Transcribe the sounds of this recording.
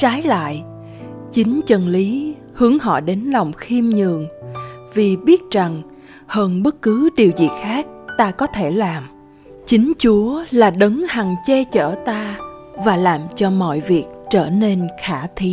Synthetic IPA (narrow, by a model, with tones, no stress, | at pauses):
t͡ɕaː˨˦jla̰ː˧˨j | t͡ɕï˨˦ŋ̟t͡ɕə˨˩nli˨˦ | hɨ˨˦əŋɦɔ̰˧˨ɗe˨˦nla˨˩wŋ͡mxi˧mɲɨ̰˨˩əŋ | vi˨˩ɓi˦˥ət̚za˨˩ŋ | həː˧nɓə˦˥t̚kɨ˨˦ɗi˨˩əwzḭ˨˩xaː˦˥k̚t̪aː˧kɔ˨˦t̪ʰe˧˩laː˨˩m | t͡ɕï˨˦ŋ̟t͡ɕu˨˦əlaː˨˩ɗə˨˦ŋha˨˩ŋt͡ɕɛ˧t͡ɕəː˧˩t̪aː˧vaː˨˩laː˨˩mt͡ɕɔ˧mɔ̰˧˨jvi˨˩ək̚t͡ɕəː˧˩ne˧nxaː˧˩t̪ʰi˨˦